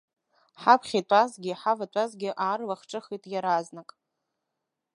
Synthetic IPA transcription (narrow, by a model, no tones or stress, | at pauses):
ħapʰχʲitʷʼazɡʲɪħavatʷʼazɡʲɪʔaːrlaχʈ͡ʂʼɨχitʼjaɾaznakʼ